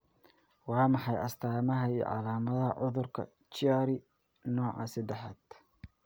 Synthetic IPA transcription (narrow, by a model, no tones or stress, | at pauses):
wɑːmɑħɑjɐst̪ʰaːmɐɦɐiːjɔ̰ʕɑ̰laːmɐðɐɦɐʕʊðʊrkʰɐ̰ | t͡ʃɪaːɾɪ | nɔːʕɑ̰sɐd̪ɛħaːd̪̥